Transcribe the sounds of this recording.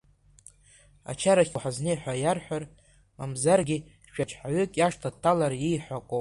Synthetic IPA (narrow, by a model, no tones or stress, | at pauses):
a̰t͡ʃʰaɾaχʲħaznejħʷᶣajarħʷᶣar | mamzarɡʲi | ʃᶣat͡ʃʰʼħaɥʏkʼjaʂtʰatʰːalarjijħʷakʷʼo